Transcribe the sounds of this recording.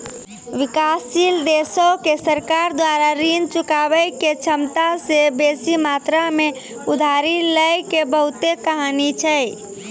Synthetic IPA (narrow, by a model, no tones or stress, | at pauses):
ʋikasːild̪esokesəɾkaɾd̪waɾaɾint͡ʃukabəjket͡ʃʰəmt̪asebesimat̪ɾame | ud̪ʱaɾiləjkebəɦut̪ekəɦanit͡ʃʰəj